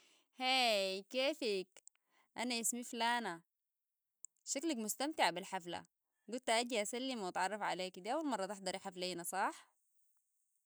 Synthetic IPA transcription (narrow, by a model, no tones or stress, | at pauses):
heːkeːfik | ʔanaʔɪsmiflaːna | ʃaklakmʊst̪amt̪ɪʕbɪlħafla̰ | ɡʊlt̪ʔaːd̪iʔasalːimwɑt̪ʕɑrˤːɑfʕa̰leːkd̪iːʔawːalmɑrˤːɑt̪ɪħd̪ɑɾˤʔɪħafleːnasˤɑħ